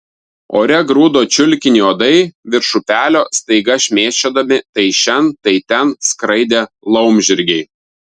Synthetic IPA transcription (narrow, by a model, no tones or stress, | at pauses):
o̰ːɾʲɛɡɾuːd̪oːt͡ʃʲʊlʲkʲɪnʲiːoːd̪ɐɪʋʲɪɾʃʊpʲæːlʲoːst̪ɐɪɡɐʃʲmʲeːt͡ʃʲoːd̪ɐmʲɪt̪ɐɪʃʲɛnt̪ɐɪt̪ʲɛnskɾɐɪd̪ʲeː | lˠɒʊmʲʒʲɪɾʲɡʲɛɪ